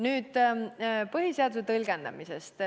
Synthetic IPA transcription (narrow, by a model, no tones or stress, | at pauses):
nyːd̪̥ | pɤɦiseɑd̪uset̪ɤlɡend̪ɑ̰misest̪